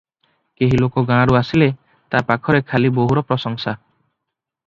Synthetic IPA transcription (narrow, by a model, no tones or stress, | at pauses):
keɦilokɔɡãɽ̃ɾuasile | t̪apakʰɔɾekʰaliboɦuɾɔpɾɔsɔŋsa